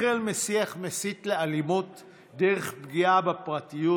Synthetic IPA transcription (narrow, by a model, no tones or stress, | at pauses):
elmesiaχmesit̪lealimut | d̪eʁeχbɡiabapʁat̪iju